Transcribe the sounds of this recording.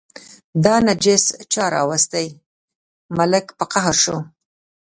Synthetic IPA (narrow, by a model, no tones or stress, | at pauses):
d̪ɑnad͡ʒɪst͡ʃɑɾɑ̰wast̪aj | malɪkpəqaɦaɾʃo